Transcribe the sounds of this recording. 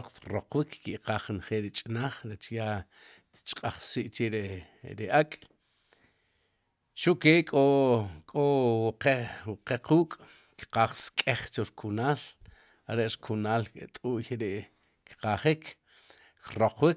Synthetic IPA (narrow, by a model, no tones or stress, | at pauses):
qt̪roqwikʰkiʔqaːχːinχeːlɾit͡ʃʼnaːχɾet͡ʃja | t̪t͡ʃʼqʼaχsiːʔt͡ʃeɾe | ɾiʔakʼ | ʃuʔkekʼokʼowqewqequːkʼ | ki̥qaːχskʼeχt͡ʃoɾkʰunaːl | aɾeʔɾkʰunaːlket̪ʼuːʔjeɾeʔ | kqaχikʰ | kɾoqwik